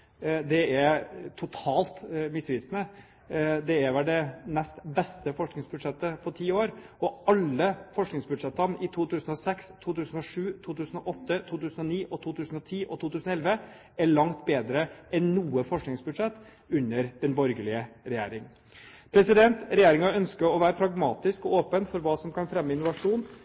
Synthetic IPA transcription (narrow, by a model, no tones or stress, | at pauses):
d̪ɛæɾt̪ʰʊt̪ʰɑːlt̪mɪsʋɪːsnə | d̪ɛɛʋɛlɖ̪ɛnɛst̪bɛst̪əfɔʂknɪŋsbʉd̪ʂɛt̪ːəfɔʈʰiːoːɾ | ɔʔɑlːəfɔʂknɪŋsbʉd̪ʂɛt̪ːənɪt̪ʰuːt̪ʰʉːsn̩ɔsɛkst̪ʰuːt̪ʉːsən̩ɔʂʉːt̪ʰuːt̪ʉːsənɔʔɔt̪ːət̪ʰuːt̪ʉːsn̩ɔniːʔɔt̪ʰuːt̪ʰʉːsn̩ɔt̪ʰiːʔɔt̪ʰuːt̪ʉːsnɔɛlʋə | æɭɑŋt̪beːd̪ɾəɛnnuːəfɔʂknɪŋsbʉd̪ʂɛt̪ː | ʉnːəɾd̪̥ɛnbɔɾɡəɭɪəɾɛjeːɾɪŋ | pʰɾɛsɪd̪ɛnt̪ɾɛjeːɾɪŋɑœnskəɾɔʋæːɾəpʰɾɑɡmɑːt̪ɪskɔoːpənfɔɾʋɑːsɔmkʰɑnfɾɛmːəɪnʊʋɑʂuːn